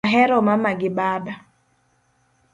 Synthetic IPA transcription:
ɦɛɾɔmamaɡɪɓaːba

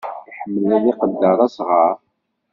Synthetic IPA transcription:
ħəmːəlæðiqəd̪ːəɾˤæsʁɑɾˤ

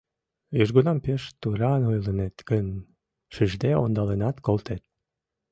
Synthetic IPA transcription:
jyʒɡunɑmpeʃt̪uɾɑnojlənet̪ɡən | ʃiʒd̪eo̰nd̪ɑlenɑt̪kolˠt̪et̪̚

